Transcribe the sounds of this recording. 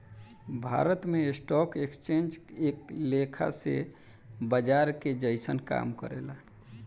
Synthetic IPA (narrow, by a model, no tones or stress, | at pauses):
bʱa̰ɾət̪meesʈɔkekst͡ʃend͡ʒeklekʰa̰sḛ | bəd͡ʒaɾked͡ʒəɪsənka̰mkəɾḛla